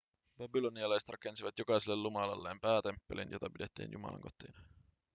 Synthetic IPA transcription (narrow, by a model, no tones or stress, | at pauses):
b̥æbiloniɑlɑjst̪rɑke̞nsiʋɑt̪jokɑjselːellumɑlɑlːeːmpæːt̪e̞mpːe̞lḭnjot̪ɑpide̞t̪ːḭːnjumɑ̰lʔɑ̰ŋko̞t̪ːˑḭːn